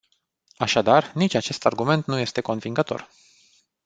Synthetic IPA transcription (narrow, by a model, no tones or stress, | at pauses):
aʃad̪arnit͡ʃʲat͡ʃe̞st̪arɡume̞nt̪nuje̞st̪e̞ko̞nviŋɡət̪o̞̰r